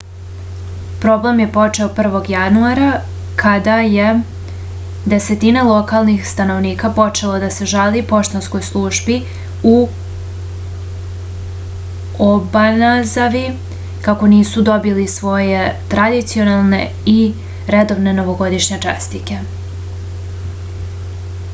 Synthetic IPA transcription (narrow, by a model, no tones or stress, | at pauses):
pɾo̞ble̞mje̞po̞t͡ʂe̞opr̩ʋo̞ɡjanuaɾa | kʰad̪aje | d̪e̞se̞t̪inelˠo̞kalˠnixst̪ano̞ʋniːkapo̞t͡ʂe̞lˠod̪ase̞ʒalipo̞ʃt̪onsko̞jslˠuʒbi | u | obanazaʋi | kako̞niːsud̪o̞bilisʋo̞je̞t̪ɾad̪it̪sijo̞nalˠne̞̰ | i | ɾe̞d̪o̞ʋne̞no̞ʋo̞ɡo̞d̪iʃɲet͡ʂḛst̪ike̞